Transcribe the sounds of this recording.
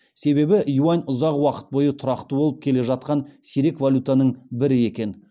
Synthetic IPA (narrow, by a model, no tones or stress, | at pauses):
se̞βe̞bɪʔjuɑnʊzɑqwɑqə̥t̪̚bo̞jət̪ʰʊɾɑqt̪əbo̞lˠəp̚kʲʰe̞le̞ʒɑt̪̚qɑnsiɾe̞kvalʲut̪anəɴbɪɾɪe̞kʲe̞n